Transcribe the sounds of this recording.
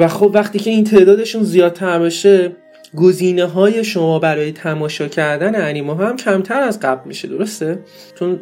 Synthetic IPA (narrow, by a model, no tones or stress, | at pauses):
væxobvæχt̪iːcʰe̞int̪ʰe̞ːd̪ɒːd̪e̞ʃunzijɒːd̪̚t̪ʰæɾbeʃe̞ | ɡoziːneɦɒːje̞ʃo̞mɒːbæɾɒːje̞t̪ʰæmɒːʃɒːcʰæɾd̪æneæniːmɒɦæmcʰæmt̪ʰæɾæzɢæblmiʃe̞d̪o̞ɾo̞st̪e̞ | t͡ʃʰo̞n